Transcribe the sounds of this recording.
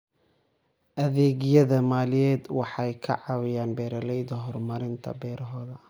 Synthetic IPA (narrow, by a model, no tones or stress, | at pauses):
ʔɐðɛːɣɪjɐðɐmaːlɪjɛːd̪wɑħɑjkʰɐ̰ʕɑwɪjaːnbɛːɾɐlɛjd̪ɐɦɔrmɐɾɪnt̪ʰɐ̰bɛːɾʔɐɦɔːðɐ